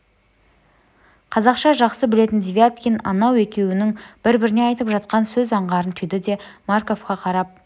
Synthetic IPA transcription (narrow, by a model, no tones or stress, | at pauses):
qʰɑzɑqʃɑʒɑqsəbɪle̞t̪ɪnd̪vʲiat̪kʲinɑ̰nɑwe̞kʲe̞wɪnɪŋb̥ɪɾbɪɾɪne̞ɑjt̪əpʒɑt̪̚qɑnsɵzɑɴʁɑɾənt̪ʰʏjd̪ɪd̪e̞maɾko̞fqɑqʰɑɾɑp̚